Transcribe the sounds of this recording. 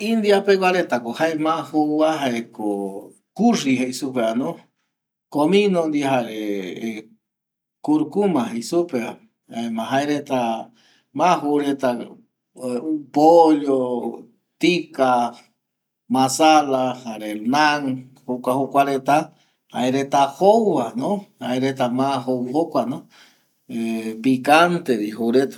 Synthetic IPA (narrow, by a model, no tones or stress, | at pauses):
ind̪iapekʷwaɾet̪akohaemãhuwaɦaeko | kuʐiɦeisupeanõ | komĩnõnd̪iɦaɾe | kuɾukumãɦesupe | emãɦaiɾet̪a | mãhuɾet̪a | upoʎo | t̪ika | mãsalahaɾenaŋ | hukʷahukʷaɾet̪a | ha̰eɾet̪ahowanohaeɾet̪amahowɦokʷano | epikant̪ediɦuɾet̪ḁ